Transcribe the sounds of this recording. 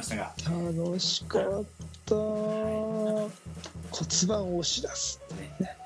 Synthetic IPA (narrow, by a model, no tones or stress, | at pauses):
anoɕi̥kat̪ːa | kʰot͡sɨbãɰ̃oɕid̪asɨ̥t̪ːene